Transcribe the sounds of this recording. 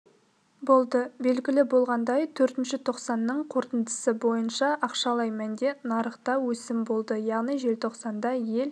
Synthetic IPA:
bo̞lˠd̪əbe̞lɡʲɪlɪbo̞lˠʁɑnd̪ɑjt̪ʰɵɾt̪ɪnʃɪt̪ʰo̞qsɑnːəɴqʰo̞ɾt̪ənd̪əsəbo̞jənʃɑʔɑqʃɑlˠɑjmænd̪e̞nɑɾəχt̪ɑwɵsɪmbo̞lˠd̪əjɑʁnijʒe̞lt̪ʰo̞qsɑnd̪ɑje̞l

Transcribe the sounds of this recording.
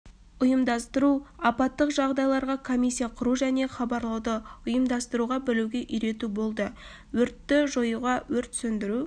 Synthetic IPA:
ʊjəmd̪ɑst̪əɾuɑpɑt̪ːəqʒɑʁd̪ɑjlˠɑɾʁɑkʰomijs̬ʲːijɑqʰʊɾuʒæne̞χɑbɑɾlˠɑwd̪əʊjəmd̪ɑst̪əɾuʁɑbɪluɡʲe̞ʔʏjɾe̞t̪ubo̞lˠd̪ə | wɵɾt̪ːɪʒo̞juʁɑwɵɾt̪sɵnd̪ɪɾu

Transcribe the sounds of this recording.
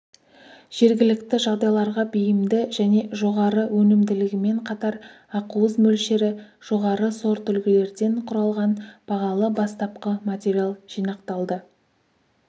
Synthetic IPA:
ʒ̥e̞ɾɡʲɪlɪkt̪ɪʒɑʁd̪ɑjlˠɑɾʁɑbijɪmd̪ɪʒæne̞ʒo̞ʁɑɾəwɵnɪmd̪ɪlɪɡʲɪme̞ɴqʰɑt̪ɑɾ | ɑquwəzmɵlʃe̞ɾɪʒ̥o̞ʁɑɾəso̞ɾt̪ʰʏlkʲɪle̞ɾd̪e̞ɴqʰʊɾɑlˠʁɑnb̥ɑʁɑlˠəbɑst̪ɑp̚qəmat̪ʲeɾʲialˠʒ̥ijnɑqt̪ɑlˠd̪ə

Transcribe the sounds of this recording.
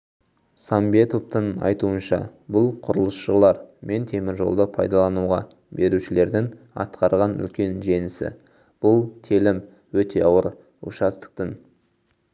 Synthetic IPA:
sɑmbe̞t̪o̞pt̪əɴɑ̰jt̪uənʃɑ̰bʊlˠqʰʊɾəlˠəsʃəlˠɑɾmʔe̞nt̪ʰe̞mɪɾʒo̞lˠd̪əpʰɑjd̪ɑlˠɑnuʁɑ | be̞ɾuʃɪle̞ɾd̪ɪŋ | ɑ̰t̪qɑɾʁɑnʏ̰lkʲe̞nʒe̞nɪsɪ̰ | b̥ʊlˠt̪ʰilɪm | wɵt̪e̞ɑwəɾ | ʊ̰ʃɑst̪ə̥q̚t̪ən

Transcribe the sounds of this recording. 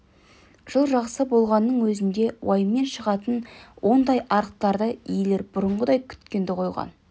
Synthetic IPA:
ʒ̥əlˠʒɑʁsəbo̞lˠʁɑnːəɴwɵzɪnd̪e̞wʔɑjəmːe̞nʃəʁɑt̪ənwʔo̞nd̪ɑjʔɑɾəq̚t̪ɑɾd̪əijle̞ɾbʊɾəmʁəd̪ɑjkʲʰʏ̥t̪kʲe̞nd̪ɪqʰo̞jʁɑ̰n

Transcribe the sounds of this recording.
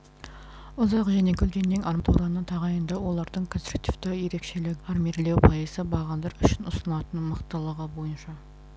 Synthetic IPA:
ʊzɑqʒæne̞kʲʰɵlkʲe̞nːɪŋʔɑɾmt̪ʰuwɾɑnət̪ʰɑʁɑjənd̪ɑwo̞lˠɑɾd̪əɴkʰonsɾuk̚t̪ʲift̪ɪje̞ɾe̞kʃe̞lɪkɑrmʲiɾle̞wpʰɑjəzəbɑʁɑnd̪ɑɾʏʃɪnʊsənəlˠɑt̪ənmɑqt̪əlˠəʁəbo̞jənʃɑ

